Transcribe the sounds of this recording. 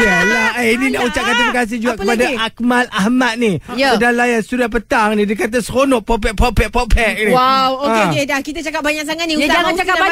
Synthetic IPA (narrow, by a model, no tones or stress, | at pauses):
alaəininaʔut͡ʃaʔkant̪udəkas̬id͡ʒuaʔkəpadaʔak̚malahmat̪̚nijəədalajanst̪udan̚pət̪aŋnidikat̪̬əsəkonɔʔpɔp̬ɛʔ̪̚popɛʔ̪̚popʰɛʔ̚niwawoəeedahkit̪at͡ʃakap̚baɲaʔk̚saŋat̪nĩud͡ʒaat͡ʃakaba